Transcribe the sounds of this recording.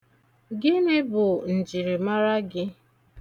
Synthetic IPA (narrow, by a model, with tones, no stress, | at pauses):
ɡɪ˦nɪ˦bʊ˨n̩˨d͡ʒi˨ɾɪ˨ma˦ɾa˦ɡɪ˦